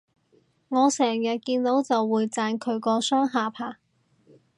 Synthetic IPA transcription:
ŋɔː˨˧sɛː˨˩ŋjɐ˨t̚kiː˧nt̪o˨˥wt͡sɐ˨wːuː˨˧jt͡saː˧nkʰɵ˨˧ɥkɔː˧sœː˥ŋɦaː˨˩pʰaː˨˩

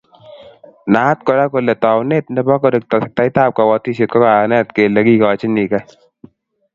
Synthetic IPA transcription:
na˨˦t̚kɔ˨˧ɾa˦ko˨lɛ˨tɔ˨wne˦t̚ndɛ˦bɔ˦kɔ˨de˨k̚t̚ta˦jta˦˨p̚ka˨wɔ˨˦ti˦se˨t̚kɔ˦ka˨nɛ˦tke˨le˨˦ki˦kɔ˨t͡ʃi˦ni˨ka˦

